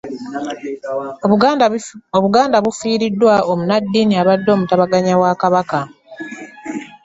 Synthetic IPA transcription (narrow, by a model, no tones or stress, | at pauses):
oβuɡaːndaβufiːɾidːwaomunadːiniaβadːo̞ːmutaβaɡaɲawakaβaka